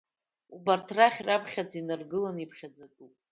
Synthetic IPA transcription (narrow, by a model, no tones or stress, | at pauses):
ubartʰraχʲrapʰχʲad͡zinɨrɡɨlanipʰχʲad͡zakʼupʼ